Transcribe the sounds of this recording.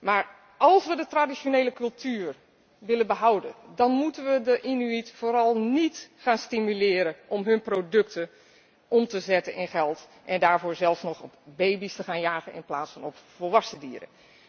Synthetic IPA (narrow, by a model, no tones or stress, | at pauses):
maːɹ | ɑlˠsʋədətradisoneːləkɵlˠtʰyːr | ʋɪlənbəɦawdədɔnmutənʋədəʔinyitfoːɾɔlˠnitχaːnstimylɪːɾəʔɔmɦɵnprodɵktə | ʔɔmtəzɛtənʔɪnxɛlˠt | ʔɛndaːɹvoːɹzɛlˠfsnɔxɔpbejbistəxaːnjaːɣənɪ̰nplaːtsfɔnɔpfolˠʋɑsədiːəɾə̰